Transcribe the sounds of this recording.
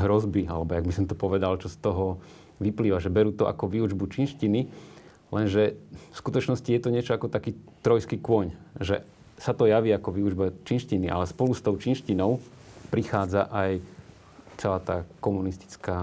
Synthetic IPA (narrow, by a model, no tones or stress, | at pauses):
ɦɾɔzbialɛbɔjaɡ̚bisɔmt̪ɔpɔʋɛd̪alt͡ʃɔst̪ɔɦɔ | ʋipliːʋaʒɛbɛɾuːt̪ɔʔa̰kɔʋiːud͡ʒbut͡ʃinʃcini | lɛnʒɛfskut̪ɔt͡ʃnɔscijɛt̪ɔɲɪɛt͡ʃɔakɔt̪akiːt̪ɾɔjskiːkʊɔɲʒɛ̰ | sat̪ɔjaʋiːakɔʋiuʒbat͡ʃinʃciniʔa̰lɛspɔlust̪ɔʊt͡ʃinʃcinɔʊ | pɾixaːd͡zaʔaj | t͡sɛlaːt̪aːkɔmunist̪i̥t͡skaː